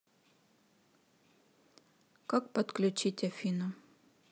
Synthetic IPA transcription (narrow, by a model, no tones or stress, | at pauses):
kak̚pɐt̪klʲʉt͡ɕitʲɐfʲinʊ